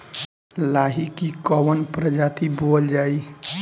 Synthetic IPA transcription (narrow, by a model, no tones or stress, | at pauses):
laɦikikɔwənpɾəd͡ʒat̪ibold͡ʒai